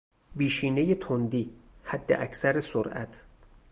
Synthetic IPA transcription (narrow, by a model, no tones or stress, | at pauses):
biːʃiːnejet̪ʰond̪iːhæd̪ːḛʔæcʰsæɾesoɾʔæ̰t̪ʰ